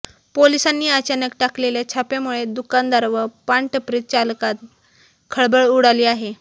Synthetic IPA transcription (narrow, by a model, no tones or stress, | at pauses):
polisanːiːat͡ɕanəkʈakleljat͡ɕʰapjamuɭed̪ukand̪aɾʋəpaɳʈəpɾit̪̚t͡ɕalkat̪̚ | kʰəɭbəɭuɽaliːaɦe